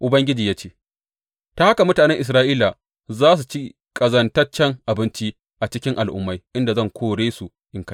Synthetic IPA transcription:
ʔʊ˨bɐ˦ŋɡʲɪ˦d͡ʒiː˨jaː˦t͡ʃeː˦˨ | ta˦ha˦ka˨mʊ˦taː˨nɛ˦ŋʔɪ˨s̬ɾaː˦ʔiː˦la˨ | zaː˦s̬u˨t͡ʃi˦ | kʼɐ˨zɐ˨ntɐ˦t͡ʃɛ˦˨ŋʔa˨bɪ˦nt͡ʃi˦ | ʔa˨t͡ʃɪ˦kʲɪ˦ŋʔa˨lʔʊ̰˦mːa˦jʔɪ˦nda˨zɐ˦˨ŋkʷʰoː˦ɽeː˦su˨ | ʔɪ˨ŋka˦˨

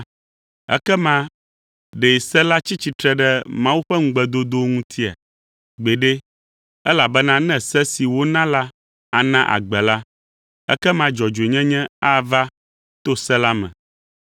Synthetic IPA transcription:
ɛ̰˦kɛ˦mã˦ | ɖe˨sɛ˦la˦t͡ɕi˦t͡ɕi˦t̪ɾɛ˦ɖɛ˦mã˦wu˦ɸɛ˦ŋ̩˦ɡ͡bɛ˦d̪o˦d̪o˦ŋũ˦t̪ʰi˦a̰˨ | ɡ͡be˨ɖe˦ | ɛ˦la˨bɛ˦nã˦nɛ̃˦sɛ˦si˨wo˦nã˦la˦ | a˨nã˦ʔa̰˨ɡ͡bɛ˨la˦ | ɛ̰˦kɛ˦mã˦d͡ʒɔ˨d͡ʒe˨ɲɛ̃˦ɲɛ̃˦a˦˨va˦ | t̪o˦sɛ˦la˦mɛ̰̃˨

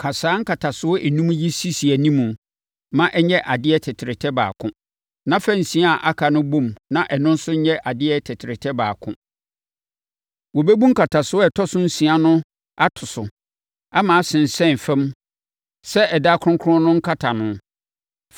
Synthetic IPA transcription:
kʰa˨saː˨˦ŋ̩˦kʰa˨tʰa˨sʊ˨ɔ˦ʔɛ˨nũ˦m˦ji˦si˦si˨æ˨nĩ˦mũ˨˦ | mã˦ʔɛ˦ɲɛ˦ʔa˨dɪ˦ɛ˦tʰɪ˨tʰɪ˨ɾɪ˨tʰɛ˦ba̰ː˨kʰʊ̃˦ | nã˦fɛ˦n̩˨sĩ˨˦a˦a˨ʔa˦kʰa˨nʊ̃˦bũ˦˨mnã˦ʔɛ˨nʊ̃˦n˦sʊ˦ɲɛ˦ʔa˨dɪ˦ɛ˦tʰɛ˨tʰɪ˨ɾɪ˨tʰɛ˦baː˨kʰʊ̰̃˦ | wɔ˨bɛ˦bũ˦ŋ̩˦kʰa˨tʰa˨sʊ˦ɔ˦ɛ˨tʰɔ˦sʊ̃˦n̩˦sĩ˨a˦nʊ̃˦ | a˦tʰʊ˨sʊ˨ | a˦mã˨a˦sɪ̃˨n̩˨sɛ̃˦˨fɛ̃˦m | sɛ˦ɛ˨daː˦kʰɾʊ̃˦kʰʊ̃˦nʊ̃˦ŋ̩˦kʰa˦tʰa˨nʊ̃˨

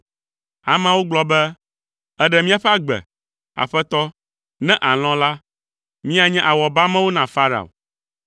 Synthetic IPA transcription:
a̰˨mã˦wo˦ɡ͡blɔ˦bɛ˦ | ɛ˦ɖɛ˨mĩ˦a˨ɸɛ˦a˨ɡ͡bɛ̰˨ | a̰˨ɸɛ˦t̪ɔ˦ | nɛ̃˦ʔa˨l̃ɔ̃˦la˦ | mĩ˦a˨ɲɛ̃˦ʔa˨wɔ˨ba˦mɛ̃˦wo˦nã˨fa˦ɾa̰˨o̰˨

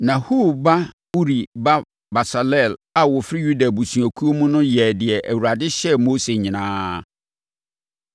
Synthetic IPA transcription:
nã˨hu˦˨ba˦ | u˦ɾi˨ba˦ | ba˨sa˨lɛ˦˨la˨wʊ˨fɪ˦ju˦da˨bu˨sũ˨æ˨kʰu˦o˦mũ˦nʊ̃˦jɛ˨dɪ˨ɛ˨ʔæ˨wu˨ɾa˨dɪ˦ɕɛ˦moː˦se˨ɲɪ̃˨nãː˦

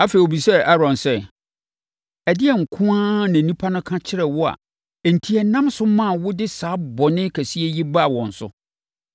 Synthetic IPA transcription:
a˦fe˨o˨bi˨sɛ˦ʔa˦ɾɔ̃˨nsɛ˦ | æ˨dɪ˦ɛ˨ŋ̩˨kʰʊ̃˦ã˦nã˨nĩ˦pʰa˦nʊ̃˦kʰã˦t͡ɕʰɪ˦ɾɛ˨wɔ˦a̰˨ | ɛ˨n̩˨tʰi˨ɛ˨nã˦msʊ˦mã˦˨wʊ˦dɪ˦saː˨˦bɔ˨nɪ̃˦kʰæ˨si˦ɛ˦ji˦ba˦˨wɔ̃˨n̩˨sʊ̰˦

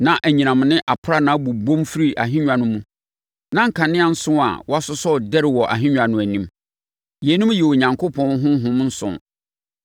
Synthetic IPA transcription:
nã˨ʔæ˨ɲĩ˨nã˨m˨nɪ̃˦ʔa˨pʰɾa˦nã˨˦bu˨bõ˦mfi˦ɾi˦ʔa̰˨ɦɪ̃˦ɲᶣ˨ã˨nʊ̃˦mũ˦ | nã˦ŋ̩˦kʰã˨nɪ̃˦a˨n̩˦sʊ̃˦a̰˨wɔ˦a˦sʊ˦sɔ˦˨dɛ˦ɾɪ˨wɔ˨ʔa̰˨ɦɪ̃˦ɲᶣã˨nʊ̃˨æ˨nĩ˦m | jɛ˨˦nʊ̃˦m˦jɛ˨wo˨ɲã˨ŋkʰʊ˦pʰɔ̃˦n˦ɦʊ̃˦ɦʊ̃˦mn̩˦sʊ̰̃˨n

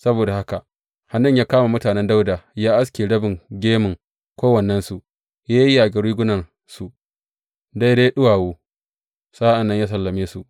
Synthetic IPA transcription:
sɐ˦boː˨da˨ha˦ka˨ | ha˨nːɪ˦ɲjaː˦kaː˦ma˨mʊ˦taː˨nɛ˦nda˦wdaː˨jaː˦ʔa˦s̬kʲeː˨ɽɐ˦bɪ˨ŋɡʲeː˦mɪ˨ŋ | kʷoː˦wɐ˨nːɐ˦nsu˨ʔ | jaː˦ji˦ʔa˨ɡɐ˨ɽiː˦ɡʷʊ˦nɐ˨n | su˨ʔ | da˦jda˦ɗʊ˦waː˨woː˦ | saː˦ʔa˨nːɐ˦ɲjaː˦s̬ɐ˨lːɐ˨meː˦su˨ʔ

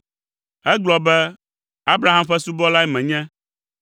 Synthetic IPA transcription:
ɛ˦ɡ͡blɔ˨bɛ˦ | a˦bɾa˦ɦa˦mɸɛ˦su˦bɔ˦la˦ɛ˦mɛ̃˨ɲɛ̃˦

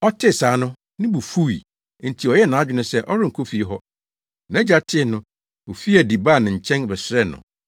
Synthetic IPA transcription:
ɔ˦tʰɪ˦˨saː˨˦nʊ̃˦ | nɪ̃˦bu˨fu˦i˨˦ | n̩˨tʰi˨ɔ˨jɛ˦nã˨a˦˨d͡ʑᶣɪ˦nʊ̃˦sɛ˦˨ʔɔ˦ɾɪ˦ŋ̩˨kʰo˦fi˨˦ɦɔ˦ | nã˨˦d͡ʑa˨˦tʰɪ˦˨nʊ̃˦ | o˨fi˦æ˨di˨baː˦˨nɪ̃˨ɲ̩˨t͡ɕʰɛ̃˦nbɛ˨sɾɛ˦nʊ̰̃˨

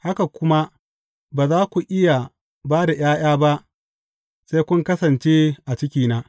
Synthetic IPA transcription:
ha˦ka˨kʷʊ˦ma˦ | baː˨zaː˦kʷu˨ʔɪ˦ja˨ | baː˦da˨j̰aː˦j̰aː˦ba˦ʔ | se˦kʷʊ˦ŋkɐ˦sɐ˨nt͡ʃeː˦ʔa˨t͡ʃɪ˦kʲiː˦naː˦

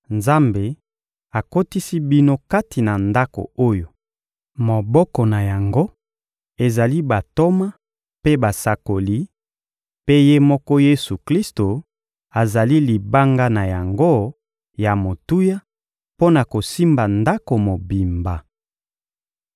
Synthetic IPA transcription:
nza˦mbe˨ | a˨ko˦ti˦si˦bi˦no˦ka˦ti˨na˨nda˦ko̰˨o˦jo˨ | mo˨bɔ˦kɔ˨na˨ja˨ŋɡo˦ | e˨za˨li˦ba˨to˦ma˦ | pe˦ba˨sa˨ko˨li˦ | pe˦je˦mɔ˦kɔ˦je˦su˨kli˦sto˨ | a˨za˨li˦li˨ba˦ŋɡa˦na˨ja˨ŋɡo˦ | ja˨mo˨tu˦ja˦ | po˦na˨ko˨si˦mba˨nda˦ko˨mo˨bi˨mba˨

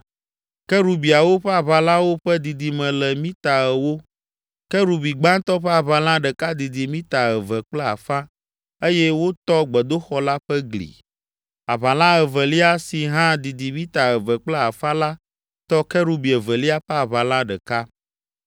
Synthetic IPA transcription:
kɛ˦ɾu˨bi˨a˨wo˦ɸɛ˦a˨βa˨la˦wo˦ɸɛ˦d̪i˨d̪i˨mɛ̃˨lɛ˨mĩ˦t̪a˨ɛ˨wo˦ | kɛ˦ɾu˨bi˨ɡ͡bã˦t̪ɔ˦ɸɛ˦a˨βa˨lã˦ɖɛ˨ka˦d̪i˨d̪i˨mĩ˦t̪a˨ɛ˨vɛ˨k͡plɛ˦a̰˨fã˦ | e˦jɛ˦wo˦t̪ɔ˦ɡ͡bɛ˨d̪o˦xɔ˦la˦ɸɛ˦ɡlḭ˨ | a˨βa˨lã˦ɛ˨vɛ˨li˦a˦si˨ɦã˦d̪i˨d̪i˨mĩ˦t̪a˨ɛ˨vɛ˨k͡plɛ˦a˨fã˦la˦ | t̪ɔ˦kɛ˦ɾu˦bi˨ɛ˨vɛ˨li˦a˦ɸɛ˦a˨βa˨lã˦ɖɛ˨ka˦

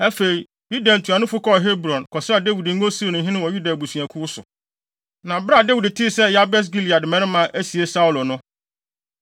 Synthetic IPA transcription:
æ˦fe˨ɾi˨ | ju˦da˨n̩˨tʰũ˨ã˨nʊ̃˦fʊ˦kʰɔ˦˨ɦe˦bɾɔ̃˨nkʰɔ˨sɪ˦a˨de˦wi˨dŋ̩˦ɡo˦si˦ɾo˨nʊ̃˨˦ɦɪ̃˦nɪ̃˦wɔ˨ju˦da˨bu˨su˨ã˨kʰʊ˦ʊ˦sʊ̰˨ | nã˨bɾa˦˨de˦wi˨dtʰɪ˦˨sɛ˦˨ja˦bɛ˦s̬ɡi˦li˨a˨dɪ˨mɛ̃˦ɾɪ˦mã˦ʔæ˦si˨e˦sa˦wlo˨nʊ̃˦

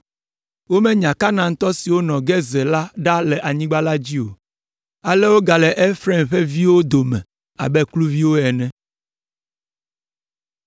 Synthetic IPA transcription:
wo˦mɛ̃˦ɲã˨ka˦nã˨ŋ̩˦t̪ɔ˦si˨wo˦nɔ̃˨ɡɛ˦zɛ˨la˦ɖa˦lɛ˨ʔa˨ɲĩ˦ɡ͡ba˦la˦d͡ʑi˦o˨ | a˨lɛ˦wo˦ɡa˨lɛ˨ʔɛ˦fɾɛ˦mɸɛ˦vi˦wo˦d̪o˨mɛ̰̃˨ | a̰˨bɛ˦klu˦vi˦wo˦ɛ˨nɛ̃˦

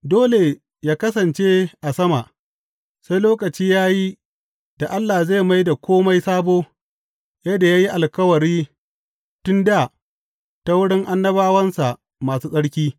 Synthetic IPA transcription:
doː˦le˨ | jaː˦kɐ˦sɐ˨nt͡ʃe˦ʔa˨sɐ˦ma˨ʔ | sa˦jloː˦kɐ˨t͡ʃiː˦jaː˦ji˦ | d̥a˨ʔa˦lːaː˨za˦˨ma˦jda˨kʷoː˦ma˦jsaː˦boː˦ | jɐ˦da˨jaː˦ji˦ʔa˨lkɐ˦wɐ˨ɽiː˦ | tʊ˦nda˨ | ta˦wʊ˦ɽɪ˦ŋʔa˦nːɐ˦baː˦wɐ˦nsa˨ʔ | maː˨suː˦sʼɐ˦ɽkʲiː˦

